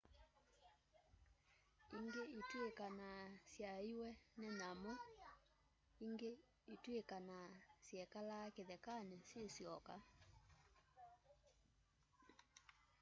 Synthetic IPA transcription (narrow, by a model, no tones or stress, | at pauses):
iŋɡeitwekanasjaiwɛnɛnamɔ | iŋɡe | itwekanasjɛkalakeðɛkanesjesjɔka